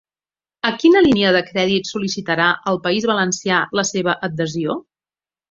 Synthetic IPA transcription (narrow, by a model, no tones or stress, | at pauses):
əkinəliniəðəkɾɛðit̪sulisit̪əɾaʔəlˠpəizβələnsialəseβ̞əʔəd̪əzio